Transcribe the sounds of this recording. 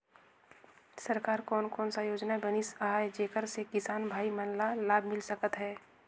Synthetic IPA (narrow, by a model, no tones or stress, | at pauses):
səɾkaːɾkɔːnkɔːnsajoːd͡ʒnaɦɛbənisaɦaːjd͡ʒeːkəɾsekɪsaːnbʱaːimənlalaːbʱmɪlsəkət̪ɦɛː